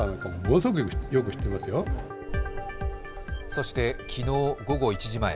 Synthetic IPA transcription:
anakamomosok̬ɯkɯjok̬ɯ̟ɕi̥t̪ːemasɨjo | so̞ɕi̥t̪e̞kʲʰino̞ːɡo̞ɡo̞it͡ɕiʑimaḛ

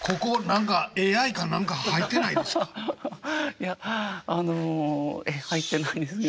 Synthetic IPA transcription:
kʰo̞ko̞nãŋkae̞ːaikãnːãŋkahait̪ːe̞naid̪eskḁ | jaanoehait̪ːe̞naĩnd̪esɨn

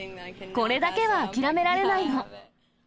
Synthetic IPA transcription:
ko̞ɾe̞d̪ake̞βakʲiɾame̞ɾaɾe̞naino

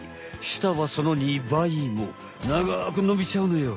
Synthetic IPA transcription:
ɕi̥t̪aβaso̞no̞ɲ̟ʲibaimo̰ | naɡak̬ɯ̟no̞bʲit͡ɕaɯnojo

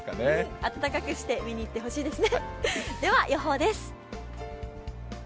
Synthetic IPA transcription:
kaneat̪at̪akakɯ̟ɕi̥t̪e̞mʲiɲ̟iːt̪ːe̞ɦo̞ɕiːd̪e̞sɨned̪e̞βajʔoɦo̞ːd̪e̞sɨ̥

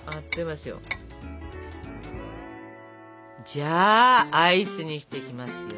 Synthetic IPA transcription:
at̪ːoimasɨjo̞̰ | d͡ʑaːaisɨɲ̟iɕi̥t̪e̞kʲimasɨjo

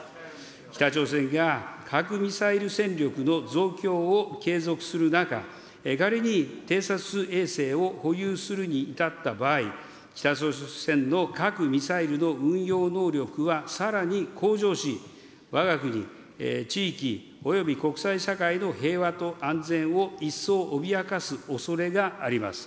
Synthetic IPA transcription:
kʲi̥t̪at͡ɕo̞ːs̬ẽ̞ŋɡakʰakɯ̟mʲisaiɾɯ̟sẽ̞nɾʲo̞kɯ̟no̞zo̞ːkʲo̞ːke̞ːzo̞kɯ̟̥sɨɾɯ̟naka̰ | kaɾeɲ̟it̪e̞ːsat͡sɨe̞ːse̞ːo̞ho̞jɯːsɨɾɯ̟ɲ̟iːt̪at̪ːabaːi | kʲi̥t̪at͡ɕosẽ̞nːo̞kakɯ̟mʲisaiɾɯ̟no̞ɯ̟̃ɰ̃jo̞ːno̞ːɾʲo̞kɯ̟βasaɾaɲ̟ikʰo̞ːʑo̞ːɕi | βaɡakɯ̟ɲ̟ḭ | t͡ɕiːkʲi | o̞jo̞bʲiko̞kɯ̟̥saiɕakaino̞ɦe̞ːβat̪o̞ʔãnd͡zẽ̞ɰ̃o̞isːo̞ːʔobʲiakasɨo̞so̞ɾe̞ɡaːɾʲima̰sɨ̥

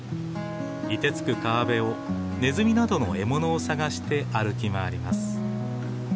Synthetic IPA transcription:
ɾʲit̪e̞t͡sɨ̥kɯ̟kaːbe̞o̞ | ne̞zɨmʲinad̪o̞no̞e̞mo̞no̞ːsaɡaɕi̥t̪e̞ʔaɾɯ̟kʲimaːɾʲimasɨ̥

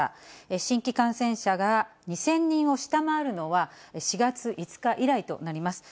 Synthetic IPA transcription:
eɕĩŋkʲikãɰ̃sẽ̞ɰ̃ɕaɡaɲ̟isẽ̞ɲ̟ːĩɰ̃o̞ɕi̥t̪amaːɾɯ̟no̞βaɕiɡat͡sɨʔit͡sɨ̥kaʔiɾait̪o̞̰naɾʲimasɨ̥

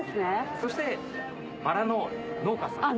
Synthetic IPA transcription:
esɨneso̞ɕi̥t̪e̞ | baɾano̞no̞ːkasã̰a

